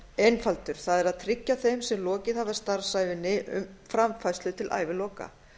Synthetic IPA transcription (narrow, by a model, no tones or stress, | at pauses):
ejnfalt̪ʏɾ̥θaðɛɾaðt̪ʰɾɪcːaθejmsɛmlɔːcɪðhavðast̪aɾ̥sajvɪnːɪʔʏ̰mfɾamfajst̪lʏt̪ʰɪlʔa̰ːjvɪlɔːka̰